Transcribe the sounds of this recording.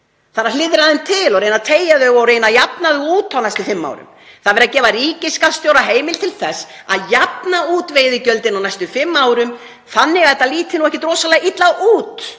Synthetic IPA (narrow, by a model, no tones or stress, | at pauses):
θaɾalɪðɾaðɪnt̪ʰɪlɔɾeːjnat̪ʰeːjaðœɣɔreːjnajapnaðʏuːt̪ʰawnajst̪ʏfɪmːa̰wɾʏ̰m | θaðvɛɾðacɛːvariːcɪskast̪jowɾaɦeːjmɪlt̪ʰɪlθɛsː | a̰ðjap̚nauːt̪veːjðɪcœlt̪ɪnawnajst̪ʏfɪmːaːwɾʏm | θanːɪɣaɛt̪ːaliːt̪ɪnuɛhcɪt̪ɾɔːsalɛɣit̪laɣuːt̪